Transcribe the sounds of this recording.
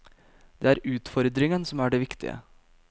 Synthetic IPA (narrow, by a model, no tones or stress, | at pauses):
d̪̥eːæːɾʉːt̪fɔɾd̪ɾɪŋənsɔmæːɖeːʋɪkt̪ɪ̰ə̰